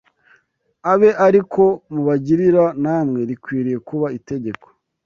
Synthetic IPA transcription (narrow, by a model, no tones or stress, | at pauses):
aβe̞ʔaɾiko̞muβaɟiɾiɾanaːmŋe̞ɾikwiːɾije̞kuβaite̞ɟe̞ko̥